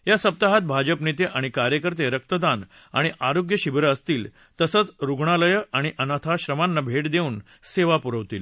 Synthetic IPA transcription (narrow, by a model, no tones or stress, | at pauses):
jasəp̚t̪aɦat̪̚bʱad͡ʑəpnet̪eʔaɽ̃ikaɾjəkəɾt̪eɾək̚t̪əd̪an | a̰ɽ̃iʔaɾoɡjəɕibɾəːəst̪iːl | t̪əsət͡sɾuɡɳ̃aləjəaɽ̃iʔənat̪ʰaɕɾəmanːabʱeʈd̪euːn | seʋapuɾəʋt̪iːl